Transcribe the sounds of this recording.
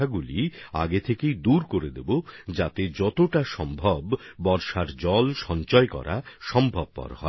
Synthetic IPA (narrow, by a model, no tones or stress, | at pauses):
aɡulia̰ɡet̪ʰekejd̪uɾkoɾed̪ebod͡ʑat̪ed͡ʑɔt̪oʈaʃɔmbʱɔbːɔɾʃaɾd͡ʑɔlʃɔnt͡ɕɔekɔ̰ɾʔa̰ʃɔmbʱɔb̚pɔ̰ɾhɔ